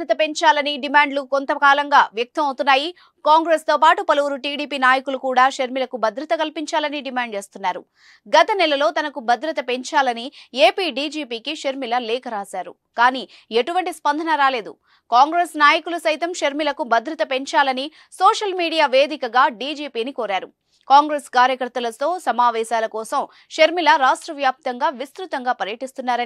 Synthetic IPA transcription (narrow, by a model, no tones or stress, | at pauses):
ɾɐt̪ɐpe̞ɲt͡ʃaːlɐniɖimaːɳɖlukont̪ɐkaːlɐŋɡaːʋjɐk̚t̪ɐmɐwt̪unːaːji | kaːŋɡɾest̪o̞ːpaːʈupɐlɐʋuɾuʈiːɽiːpiːnaːjɐkulukuːɽaːʃeɾmilɐkubʱɐd̪ɾɐt̪ɐkɐlpiɲt͡ʃaːlɐniɖimaːɳɖ̚t͡ʃe̞ːst̪unːaːɾṵ | ɡɐt̪ɐnɛlɐlo̞ːt̪ɐnɐkubʱɐd̪ɾɐt̪ɐpe̞ɲt͡ʃaːlɐnie̞ːpiːɖiːd͡ʒiːpiːkiʃeɾmilɐlɛːkɐɾaːsaːɾṵ | kaːniː | e̞ʈuʋɐɳʈispɐnd̪ʱɐnɐɾaːle̞ːd̪ṵ | kaːŋɡɾesnaːjɐkulusɐjt̪ɐmʃɐɾmilɐkubɐd̪ɾɐt̪ɐpe̞ɲt͡ʃaːlɐni | soːʂɐlmiːɽijaːʋe̞ːd̪ikɐɡaːɖiːd͡ʒiːpiːnikoːɾaːɾu | kaːŋɡɾeskaːɾjɐkɐɾt̪ɐlɐt̪o̞ːsɐmaːʋɛːsaːlɐkɔːsɐm | ʃeɾmilɐɾaːʂʈɾɐʋjaːp̚t̪ɐŋɡaːʋist̪ɾut̪ɐŋɡaːpɐɾjɐʈist̪unːaːɾɐ